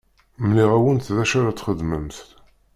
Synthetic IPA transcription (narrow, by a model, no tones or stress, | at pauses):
mniʁæwənt̪ðæʃæɾæt͡sːχəðməmθt̪